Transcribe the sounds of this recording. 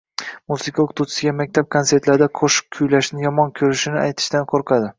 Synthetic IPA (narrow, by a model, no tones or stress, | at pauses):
musɪkʰaokʰqt̪ʰuwt͡ʃʰɪ̥sɪɡʲamak̚ʲt̪ʰap̚kʰonse̞ɾt̪laɾd̪aqʰoʃɪ̥kʲʰʊjlaʃnɪjɒmɒnkʲʰɵɾɪʃɪnɪajt̪ʰɪ̥ʃt̪anqʰoɾqʰɑd̪ɪ